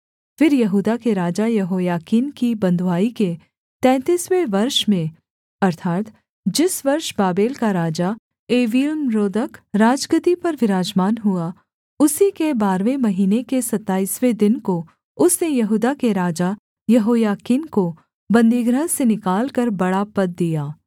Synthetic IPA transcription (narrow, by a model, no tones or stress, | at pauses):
fɪɾjɐɦuːd̪akeɾaːd͡ʒajɐɦoːjaːkiːnkibɐ̃nd̪ʱwaːike | t̪ɛ̃ːt̪iːsweʋɐɾʃmẽ | ɐɾt̪ʰaːt̪ | d͡ʒɪsʋɐɾʃbaːbeːlkaɾaːd͡ʒa | eːʋiːlmɾoːd̪əkɾaːd͡ʒɡət̪ipɐɾʋɪɾaːd͡ʒmaːnɦua | ʊsikebaːɾʋemɐɦiːnekesɐt̪ːaːiːswed̪ɪnko | ʊsnejɐɦuːd̪akeɾaːd͡ʒa | jɐɦoːjaːkiːnko | bɐ̃nd̪iːɡɾəɦsenɪkaːlkɐɾbɐɽapɐd̪̚ːijaː